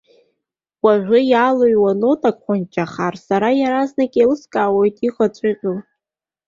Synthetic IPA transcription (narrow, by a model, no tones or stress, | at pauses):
waʒᶣʷʊjaloɥwanotʼakʷʼχʷant͡ʃʼaχarsaɾajaɾaznakʼelɨskʼaːwojtʼiχat͡ʃʷʼɪqʲʼɨl